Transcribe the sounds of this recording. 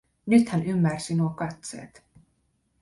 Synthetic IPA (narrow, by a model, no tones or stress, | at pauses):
nyt̪hænymːærsinuokɑt̪sḛːt̪